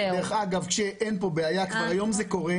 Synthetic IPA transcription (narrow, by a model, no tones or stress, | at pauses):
d̪eeχaɡavkʃeʔenpo̞beajakvaʁajo̞mzeko̞ʁe